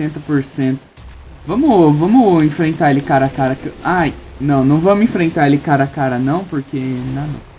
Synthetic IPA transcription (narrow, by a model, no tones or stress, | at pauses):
t̪ẽnt̪ɐpoɾsẽnt̪ʊ̥ | vɐ̃mʊvɐ̃mʊẽfɾẽnt̪aelɪkaɾɐakaɾɐkeajnɐ̃w̃nɐ̃w̃vɐ̃mʊĩfɾẽnt̪aelɪkaɾɐakaɾɐnɐ̃w̃poɾkenɐ̃w̃nɐ̰̃w̃